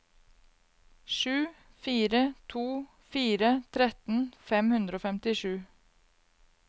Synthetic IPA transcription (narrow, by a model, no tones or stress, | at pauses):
ʃʉː | fiːɾət̪ʰuː | fiːɾət̪ʰɾɛt̪n̩fɛmhʉnd̪ɾoːfɛmt̪ɪʃʉː